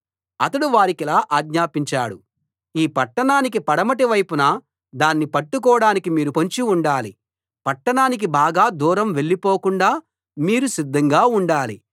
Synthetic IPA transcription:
ɐt̪ɐɽuʋaːɾikilaːʔaːɡɲaːpiɲt͡ʃa̰ːɽu | iːpɐʈːɐɳaːnik̬ipɐɽɐmɐʈiʋɐjpunɐ | d̪aːnːipɐʈːuk̬ɔːɽaːnikimiːɾupoɲt͡ʃiuɳɖaːli | pɐʈːɐɳaːnik̬ibaːɡaːd̪uːɾɐmʋe̞ɭːipoːkuɳɖaː | miːɾusid̪ʱːɐŋɡaːuɳɖaːli

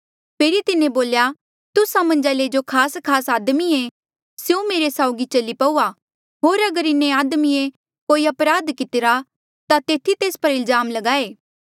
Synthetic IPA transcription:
pʰeːɾit̪ɪnẽboːlja | t̪ʊsãmɐ̃nd͡ʒaled͡ʒokʰaːskʰaːsaːd̪mie | sjũmeːɾesaːʊɡit͡ʃɐlipɐuːa | ɦoːɾɐɡəɾɪnːeaːd̪mie | koːiɐpɾaːd̪kɪt̪ɪɾa | t̪at̪eːt̪ʰit̪eːspɐɾɪlzaːmlɐɡaːeː

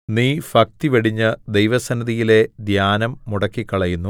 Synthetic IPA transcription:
niːfɐk̚t̪iʋeɽiɲːɨd̪ejʋɐsɐnɐðijile̞d̪jaːnɐmːuɽɐkːikːɐɭɐjunːu

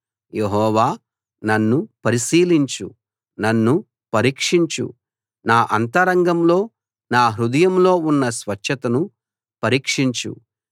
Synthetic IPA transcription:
je̞ɦɔːʋaː | nɐnːupɐɾisiːliɲt͡ʃṵ | nɐnːu | pɐɾiːkʂiɲt͡ʃṵ | naːʔɐnt̪ɐɾɐŋɡɐmlo̞ː | naːɦɾud̪ɐjɐmlo̞ːunːɐsʋɐt͡ʃʃɐt̪ɐnu | pɐɾiːkʂiɲt͡ʃṵ

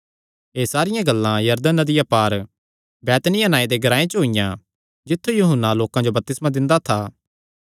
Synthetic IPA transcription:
eːsaːɾɪjãɡɐlːãjɐɾd̪ənːɐd̪ɪjapaːɾ | bɛːt̪nɪjãnaːẽd̪eɡɐɾaːẽt͡ʃɦoɪjã | d͡ʒɪt̪ʰːujuːɦənːaloːkãd͡ʒobɐp̚t̪ɪsmãd̪ɪ̃nd̪at̪ʰaː

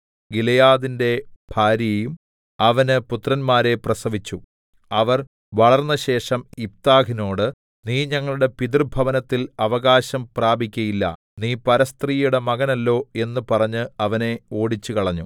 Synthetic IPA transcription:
ɡilɐjaːðinde̞b̥ʱaːɾjɐjum | ɐʋɐnɨput̪ːrɐnmaːɾe̞prɐsɐʋit͡ɕːu | ɐʋɐr | ʋɐɭɐrnːɐɕe̞ːʂɐmip̚t̪aːɡino̞ːɽɨ | niːɲɐŋːɐɭuɽe̞piðrbʱɐʋɐnɐt̪ːilɐʋɐɣaːɕɐmpraːbʱikʲːɐjilːɐ̰ | niːpɐɾɐst̪riːjuɽemɐɣɐnɐlːo̞ːe̞nːɨpɐrɐɲːɨɐʋɐne̞o̞ːɽit͡ɕːukɐɭɐɲːu

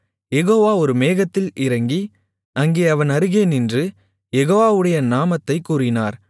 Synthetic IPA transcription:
jɛɣoːʋaːɔɾɯmeːɣɐt̪ːɪlɪɾɐŋɡi | ɐŋɡeːɐʋɐnɐɾɯɣeːnɪndrɯ | jɛɣoːʋaːʋɯɽɐjɐnaːmɐt̪ːɐɪkːuːɾɪnaːɾ

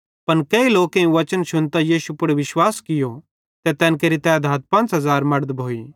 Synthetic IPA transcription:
pɐnkeiloːkẽũʋɐt͡ʃənʃʊnt̪ajiːsupʊɽeʋɪʃwaːskɪjo | t̪ɛt̪ɛːnkɐɾit̪ɛːd̪ʱaːt̪̚pɐ̃nt͡ʃɦɐzaːɾmɐɽd̪bʱoːiː

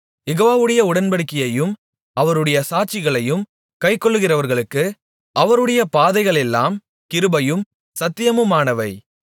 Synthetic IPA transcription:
jɛɣoːʋaːʋɯɽɐjɐʊɽɐnbɐɽɯkːɪjɐjɯm | ɐʋɐɾɯɽɐjɐsaːt͡ʃːɪɣɐɭɐjɯm | kɐɪkːɔɭːɯɣɪrɐʋɐɾɣɐɭɯkːɯ | ʔɐʋɐɾɯɽɐjɐpaːðɐɪɣɐɭɛlːa̰ːm | kɪɾɯbɐjɯm | sɐt̪ːɪjɐmɯmaːnɐʋɐɪ

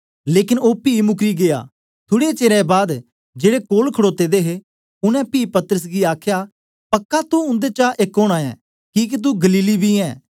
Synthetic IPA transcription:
leːkɪnoːpiːmʊkɾiɡeja̰ | t̪ʰʊɽet͡ʃeːɾãbaːd̪ | d͡ʒeːɽekoːlkʰəɽoːt̪ed̪eɦe | ʊnɛ̃piːpɐt̪əɾəs̬ɡiaːkʰja | pɐkːat̪uʊ̃nd̪et͡ʃaʔekoːɽ̃ãːɛ̰̃ː | kiːk̬it̪̬uɡɐliːlibʱiɛ̃ː

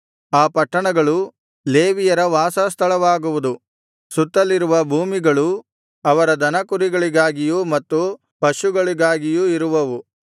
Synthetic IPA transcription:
aːpɐʈːɐɳɐɡɐɭu | leːʋijɐɾɐʋaːsɐst̪ʰɐɭɐʋaːɡuʋud̪u | sut̪ːɐlːiɾuʋɐbʱuːmiɡɐɭu | ɐʋɐɾɐd̪ɐnɐkuɾiɡɐɭiɡaːɡijuːmɐt̪ːu | pɐʃuɡɐɭiɡaːɡijuːiɾuʋɐʋu

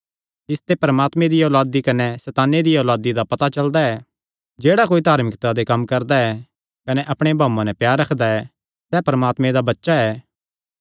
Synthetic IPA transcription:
ɪst̪epɐɾəmaːt̪mẽd̪ioːlaːd̪ikɐnɛsɛːt̪aːnːed̪iɔːlaːd̪id̪apɐt̪at͡ʃɐld̪aɛ | d͡ʒeːɽakoːid̪ʱaːɾmɪkt̪ad̪ekɐmkɐɾd̪aɛ | kɐnɛʔɐpɽ̃ebʱaːmːãnɛpjaːɾːɐkʰd̪aɛ | sɛpɐɾəmaːt̪mẽd̪abɐtːʃaɛː

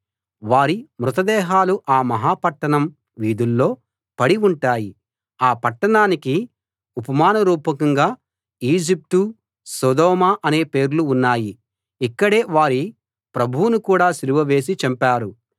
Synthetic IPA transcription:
ʋaːɾimɾut̪ɐd̪ɛːɦaːluʔaːmɐɦaːpɐʈːɐɳɐm | ʋiːd̪ulːo̞ː | pɐɽiuɳʈaːji | aːpɐʈːɐɳaːniki | upɐmaːnɐɾuːpɐkɐŋɡaː | iːd͡ʒip̚ʈu | sɔːd̪ɔːmaːʔɐne̞ːpe̞ːɾuluːnːaːji | ikːɐɽe̞ːʋaːɾi | pɾɐbʱuwunukuːɽaːsiluʋɐʋe̞ːs̬it͡ʃɐmpaːɾu

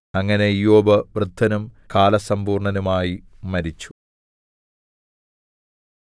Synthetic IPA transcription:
ɐŋːɐne̞ijoːbɐʋrɨd̪ʱːɐnumkaːlɐsɐmbuːrɳɐnumaːjimɐɾit͡ɕːu̥

